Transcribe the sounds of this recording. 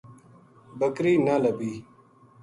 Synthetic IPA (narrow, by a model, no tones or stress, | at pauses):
bəkɾiːnalɐbiː